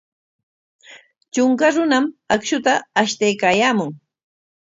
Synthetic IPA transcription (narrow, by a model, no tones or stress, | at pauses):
t͡ʃʊŋkaɾʊnamakʃʊt̪aːʃt̪ajkaːjaːmʊŋ